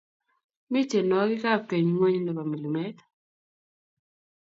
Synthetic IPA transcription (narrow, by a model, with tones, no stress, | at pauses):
mɪ˦t͡ʃe˨nɔ˨ɡɪ˦ka˦ke˨ɲ˨ŋwe˦ɲ˦no˨pa˨mi˨li˨mɛ˦t̪